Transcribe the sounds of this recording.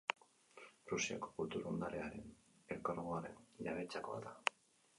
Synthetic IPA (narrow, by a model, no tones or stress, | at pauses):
rusia̰ko̥kult̪uɾond̪aɾe̞aɾe̞n | elkaɾɣoaɾe̞nʎaβe̞t͡sako̞a̰ða